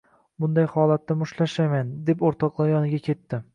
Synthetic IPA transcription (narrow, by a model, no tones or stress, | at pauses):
bʊnd̪ajhɒlˠat̪ːamʊʃlaʃajmand̪e̞poɾt̪ʰɒqlˠajɒnɪɡʲakʲʰe̞t̪ːɪ